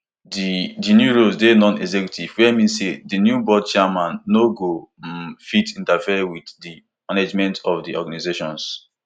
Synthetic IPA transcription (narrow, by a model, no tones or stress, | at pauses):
didinjuɹosdenɔ̃nɛ̰ɡzɛkjutʰivwɛmĩnsedinjubɔd̚t͡ʃamãnːoɡofitĩntafiɛwiddi | maned͡ʒmɛ̃ntɔfdiɔ̰ɡanizeʃɔ̃ns